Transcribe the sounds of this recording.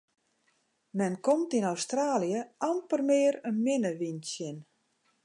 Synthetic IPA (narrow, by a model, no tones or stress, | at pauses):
mɛnkɔmtinawstraːlijəampərmɪːəɾənmɪnəʋinsjən